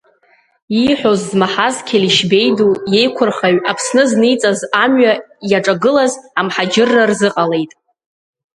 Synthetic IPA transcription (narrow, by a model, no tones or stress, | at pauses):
iħʷᶣo̞zːmaħazkʲʰeliʃbe̞jduje̞jkʷʰʊrχaɥapʰsnɨznijt͡sʼazamɥa | jaʈ͡ʂʼaɡɨlazamħad͡ʒɪrːarzɨqʼale̞jtʼ